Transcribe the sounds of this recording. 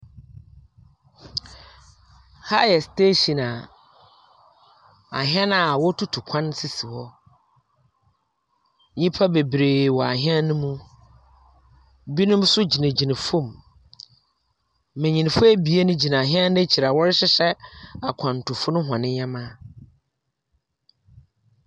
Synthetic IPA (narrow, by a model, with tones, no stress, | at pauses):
ha˦jɛ˨steː˦ɕi˨na˨ | a̰˨ɦɪ̃˦ã˦na˨wɔ˦tʰu˦tʰu˨kʷʰã˦nsi˨si˨wɔ˦ | ɲĩ˦pʰa˦be˨bɾe˨wɔ˨a˨ɦɪ̃˦ã˦nʊ̃˦mũ˦ | bi˦nʊ̃˦msʊ˦d͡ʑi˨nẽ˨d͡ʑi˨nã˨fũ˦˨m | mɛ̃˨ɲĩ˨n˨fʊ˦æ˦bi˨e˦nʊ̃˦d͡ʑi˨nã˨ɦɪ̃˦ã˦nɪ̃˦t͡ɕʰi˨ɾa˨wɔ˦ɾɪ˦ɕɪ˦ɕɛ˦a˨kʷʰã˨n˨tʰʊ˨fʊ˦nʊ̃˦ɦʷã˨nɪ̃˦ɲã˦mã˦